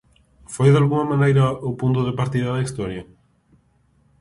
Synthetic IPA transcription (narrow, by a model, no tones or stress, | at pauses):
fojðalɣuŋɐmãnejɾɐopunt̪̬ʊðepaɾt̪iðɐðɐist̪ɔɾjɐ